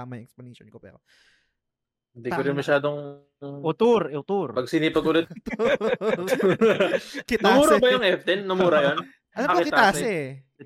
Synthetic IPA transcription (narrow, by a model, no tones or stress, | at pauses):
amɐjɛksponiʃo̰nkopɛ̰ːɾo | hɪnd̪iːkoɾɪnmɐʃaːd̪oŋ | ʔʊt̪uɾʊt̪uɾpɐɡ̚sinipɐɡʊlɛt̪ | kɪtnɐmuːɾɐbɐjʊŋʔɛft̪ɛnːɐmuːɾɐjon | ɐlɐɐkɐkɪkɪaaːsɛ